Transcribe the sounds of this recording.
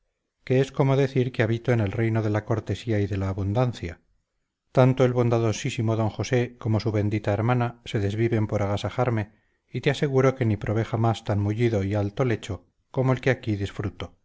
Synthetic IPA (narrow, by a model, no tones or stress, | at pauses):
keesko̞mo̞ðe̞θiɾkeaβit̪o̞ene̞lre̞jno̞ðe̞lako̞ɾt̪e̞siaiðe̞laːβund̪anθja | t̪ant̪o̞e̞lβo̞nd̪aðo̞sisimo̞ðo̞ŋxo̞se̞ko̞mo̞suβe̞nd̪it̪aeɾmanase̞ðe̞zβiβe̞mpo̞ɾʔaɣasaxaɾme̞ | it̪ease̞ɣ̞uɾo̞ke̞nipɾʔo̞β̞e̞xamast̪anmuʎiðo̞ialt̪o̞le̞t͡ʃo̞ | ko̞moe̞lke̞akiðisfɾut̪o̞